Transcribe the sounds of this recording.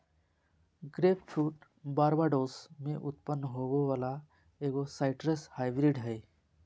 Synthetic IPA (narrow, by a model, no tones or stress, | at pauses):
ɡɾeːpt͡ʃʰuːʈ | baːɾbaɖoːsmẽʔʊt̪̚pənːəɦoʋoʋaːla | eːɡosaɪʈɾeshaːjbɾiɖɦɛ